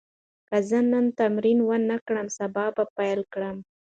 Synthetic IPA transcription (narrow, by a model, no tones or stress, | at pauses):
kazənənt̪amɾinwənakɽəmsabɑbapajlkɽəm